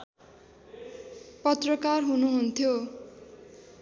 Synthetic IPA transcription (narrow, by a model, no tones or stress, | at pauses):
pʌt̪rʌkarɦunuɦunt̪ʰjo